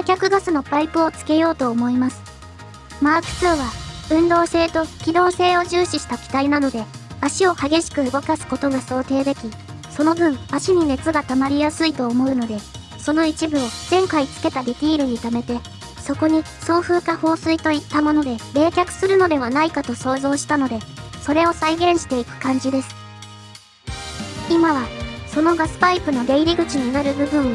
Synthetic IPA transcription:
ekʲakɯ̟ɡasɨno̞paipɯ̟o̞t͡sɨ̥ke̞jo̞ːt̪o̞ːmo̞imasɨ̥ | maːkɯ̟̥sɨːβaɯ̟̃nd̪o̞ːse̞ːt̪o̞kʲid̪o̞ːse̞ːo̞ʑɨːɕiɕi̥t̪akʲi̥t̪ainano̞d̪e̞aɕio̞haɡe̞ɕi̥kɯ̟ɯɡo̞kasɨ̥ko̞t̪o̞ɡaso̞ːt̪e̞ːd̪e̞kʲi | so̞no̞bɯ̟̃ɴaɕiɲ̟ine̞t͡sɨɡat̪amaɾʲijasɨit̪o̞ːmo̞ɯ̟no̞d̪e̞ | so̞no̞it͡ɕibɯ̟o̞z̥ẽ̞ŋkait͡sɨ̥ke̞t̪ad̪e̞t̪ʲiːɾɯ̟ɲ̟it̪ame̞t̪e̞ | so̞ko̞ɲ̟i | so̞ːɸɯ̟ːkaho̞ːsɨit̪o̞it̪ːamo̞no̞d̪e̞ɾe̞ːkʲakɯ̥sɨɾɯ̟no̞d̪e̞βanaikat̪o̞so̞ːzo̞ːɕi̥t̪ano̞d̪e̞so̞ɾe̞o̞saiɡẽ̞ɰ̃ɕi̥t̪e̞ikɯ̟̥kãɲ̟d͡ʑid̪e̞sɨ̥ | imaβaso̞no̞ɡasɨ̥paipɯ̟no̞d̪e̞iɾʲiɡɯ̟t͡ɕiɲ̟inaɾɯ̟bɯ̟bɯ̟̃ɰ̃

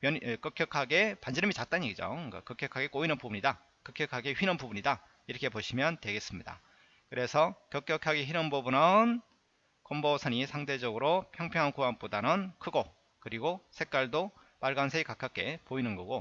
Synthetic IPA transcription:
mjʌnk͈ɯkjʌkʰaɡe̞pand͡ʑiɾɯmit͡ɕat̚t͈aɲiɡid͡ʑo̰ɯk͈a̰kʌk͈jʌkʰaɡek͈oinɯnpubuɲida | kɯk͈jʌkʰaɡeɸɥinɯnpubuɲida | iɾʌkʰe̞poɕʰimjʌntwe̞ɡe̞s͈ɯmɲida̰ | kɯɾe̞sʰʌkjʌk͈jʌkʰaɡeçiɾʌnbobunɯn | kombosʰʌnisʰaŋde̞d͡ʑʌɡɯɾopʰjʌŋpʰjʌŋɦankuanp͈odanɯnkʰɯɡo | kɯɾiɡosʰe̞k͈̚waɭdo | maɭɡansʰeikak͈ʰak͈e̞poinɯnɡʌɡo

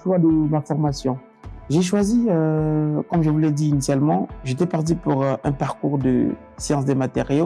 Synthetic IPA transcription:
ʃwad̪əmafɔʁmasjɔ̃ | ʒeʃwaziøkɔmʒəvulɛd̪iːnisjalmɑ̃ʒet̪ɛpaʁt̪̬ipuʁʔɛ̃paʁkuʁd̪ə̰ | sjɑ̃sd̪emat̪eʁjo

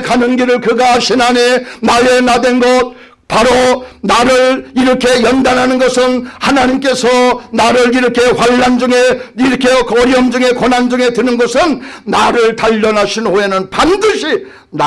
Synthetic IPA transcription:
kanɯnɡiɾɯɭkɯɡaɕʰinane̞naje̞nadwe̞nɡʌt̚ | paɾonaɾɯɾiɾʌkʰe̞jʌndanɦanɯnɡʌsʰɯnhanaɲimk͈e̞sʰʌnaɾɯɭiɾʌkʰe̞hwaʎːand͡ʑuŋeiɾʌkʰekʌɾiʌmd͡ʑuŋe̞konɦand͡ʑuŋe̞dwenɯnɡʌsʰɯnːaɾɯɭtaʎːʌnaɕʰinoe̞nɯnpandɯɕʰi | n

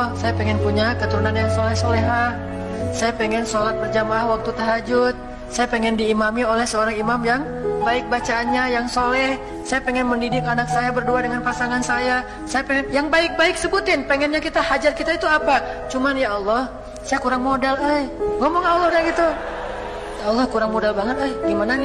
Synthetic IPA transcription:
sajapɛŋɛnpuɲakət̪uɾunanjaŋsolɛhsoleɦa | sajapɛŋɛnsolat̪̚pərd͡ʒamaahwak̚t̪ut̪əɦad͡ʒʊt̪̚ | sajapɛŋɛndiːmamiolɛhsəoɾaŋimamjaŋ | baɪk̚bat͡ʃaːnɲajaŋsolɛh | sajapɛŋɛnməndidɪkanak̚sajabərduadəŋanpasaŋansaja | sajapɛŋɛnjaŋbaɪk̚baɪksəbut̪ɪnpɛŋɛnɲakit̪ahad͡ʒat̪̚kit̪ait̪uapat͡ʃumanjaɔlˠːɔh | sajakuɾaŋmodalajŋɔmɔŋaɔlːɔhdaɡit̪u | jaɔlːɔhkuɾaŋmodalbaŋət̪ajɡimanan

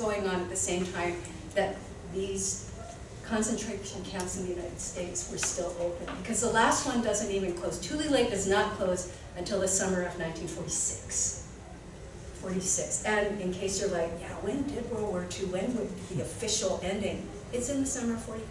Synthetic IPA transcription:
ɡoʊɪ̃ŋə̃nɨt̪̚ðɨsẽɪ̃mtʰãɪ̃m | ðɨt̪̚ | ðiz̥ | kʰɑ̃nsɨ̃ntʰɹ̥eɪɾə˞z̥ɨ̃nkʰæ̃ʊ̃ntsɨ̃n̩ðɨjʉnaɪɾɨd̥steɪtswə˞stɪlˠoʊpɨ̃nbɨkʰʌzðəlæst̚wʌ̃ndʌzɨ̃ntivɨ̃nkʰl̥oʊz̥tʰʉlˠileɪk̚d̥ʌznət̚kʰl̥oʊz | ɨ̃ntʰɪlˠðɨsʌmə˞ʌvnãɪ̃ntʰĩnfɔɹɾisɪks | fɔɹɾisɪksɨ̃nɨ̃nkʰeɪsjə˞laɪkjæwɨ̃ndɪd̚wə˞wə˞ɾʰʉwɨ̃nwɪðiɨfɪʃl̩ˠɛ̃ndɪ̃ŋ | ɨtsɨ̃nðɨsʌmə˞ʌv̥fɔɹɾi

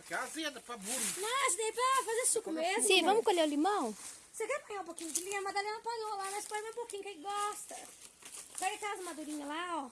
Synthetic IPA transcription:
kɛɐvẽd̪ɐpɾɐbuɾɐnɔsd̪ɐipɾɐfazesukʊmezmsĩvɐ̃mʊkoʎeʊlimɐ̃w̃ | sekɛɾpõɲ̃ãũpokĩɲʊd͡ʒɪlĩɐ̃mad̪alẽnɐpad̪õlamɐspoɲẽmẽpokĩɲʊkẽj̃ɡɔst̪ɐ | kɔjɐkalɐzɐmad̪uɾĩɲɐlaɔ

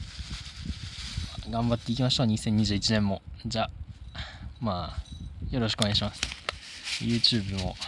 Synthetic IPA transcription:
aɡãmbat̪ːeikʲimaɕoːɲ̟isẽ̞ɲ̟ːiʑɨːit͡ɕinẽ̞mːo̞d͡ʑa | maːjo̞ɾo̞ɕikoneaiɕimasɨ̥ | jɯ̟ːt͡ɕɨːbɯ̟mo̞̰

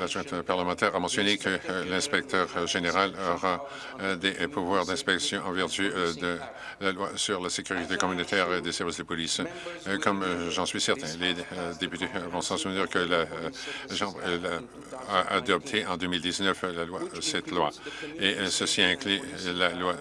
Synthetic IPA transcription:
laʒɛ̃t̪paʁləmɑ̃t̪ɛʁamɑ̃sjɔnekʰəlɛ̃spɛk̚t̪ʰœʁʒeneʁalɔʁa | d̪epuvwaʁd̪ɛ̃spɛksjɔ̃ʔɑ̃vɛʁt̪yd̪ə | lalwasyʁlasekʲyʁit̪ekɔmynot̪ɛːʁd̪esɛʁvisd̪əpɔliskɔmʒɑ̃sɥisɛʁt̪ɛ̃led̪epyt̪evɔ̃sɑ̃suvnyʁkəla | ʒɑ̃bʁla | aʔa̰d̪ɔp̚t̪ʰeɑ̃d̪ømild̪iznœflalwasɛt̪lwa̰esəsiɛ̃klylalwa

